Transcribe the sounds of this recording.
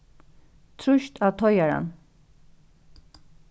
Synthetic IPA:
t̪ʰɾʊʃt̪ʰaːt̪ʰɔʏaɹa̰n

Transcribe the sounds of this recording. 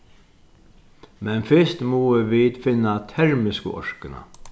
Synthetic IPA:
mɛnfɪst̪muːəʋiːt̪fɪnːat̪ʰɛɾmɪskə̰ʔɔ̰ɹkɪna̰

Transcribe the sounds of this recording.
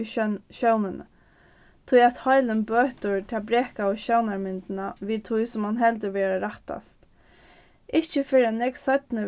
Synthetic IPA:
ʃownɪnə̰ | t̪ʰʊjat̪hɔjlənbøːht̪ʊɹt̪ʰaːbɾɛːhkaɔʃœwnaɹmɪnt̪ɪnaʋiːt̪ʰʊjsʊmhanɦɛlt̪̬əʋɛːɾaɾaht̪a̰st̪ | ʔɪht͡ʃəfɪɾanɛksœt̪nə

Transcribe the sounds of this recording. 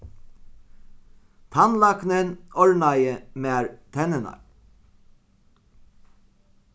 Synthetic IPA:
t̪ʰɑnlɑknənʔɔɹɳɑjəmeːɹt̪ʰɛnənɑ̰ɹ

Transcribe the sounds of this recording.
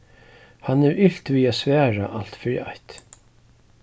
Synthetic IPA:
hanɛɾɪɬt̪viːasvɛːɹa̰ʔal̥t̪fɪɾḭa̰ht̪

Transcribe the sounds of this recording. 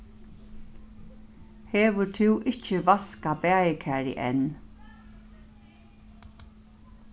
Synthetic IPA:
heːʋət̪ʰɪwʔɪt͡ʃəʋaskabæːjəkʰæːɹḭʔɛ̰n

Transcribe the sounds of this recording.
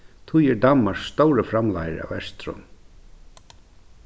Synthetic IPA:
t̪ʰujɛɾd̪amːaɹsːt̪owɾəfɾamla̰jə̰ɾa̰vɛst̪ɾɔ̰m

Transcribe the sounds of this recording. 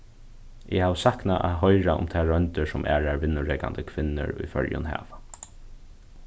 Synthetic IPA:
ʔɪhawsahknaʔaðɦɔjɾaʊ̰mt̪ʰaːɹœnt̪ɪsʊmʔæːɹaɹʋɪnːʊɹɛːkand̪əkʰʋɪnːɪ̰ɹʊjfœɹjʊ̰nɦæ̰ːʋa

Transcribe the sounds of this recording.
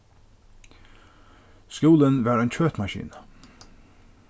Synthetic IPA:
skuːlənʋæːɾæɪnt͡ɕʰøːt̪mɑʃḭːnə

